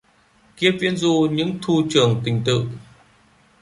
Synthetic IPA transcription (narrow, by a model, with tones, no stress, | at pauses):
ki˧˥əp̚vi˧ənzu˧ɲɨ̰˧˥ŋt̪ʰu˧t͡ɕɨ˨˩əŋt̪ï˨˩ŋ̟t̪ɨ̰˧˨